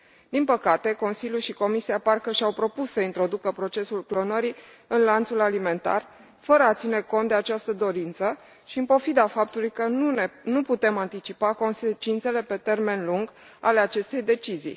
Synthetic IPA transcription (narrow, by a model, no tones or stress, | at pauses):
d̪inpəkat̪e̞ko̞nsiljulʃiko̞misiaparkəʃawpɾo̞pussəint̪ɾo̞d̪ukəpɾo̞t͡ʃe̞sulklo̞nəɾi | ɨnlant̪sulalime̞nt̪a̰r | fəɾəat̪sineko̞nt̪d̪e̞at͡ʃast̪əd̪o̞ɾint̪sə | ʃiɨmpo̞fid̪afap̚t̪ulujkəunuput̪e̞mant̪it͡ʃipako̞nset͡ʃint̪se̞le̞pe̞t̪e̞rme̞nluŋɡ | ale̞at͡ʃe̞st̪e̞jd̪e̞t͡ʃizḭj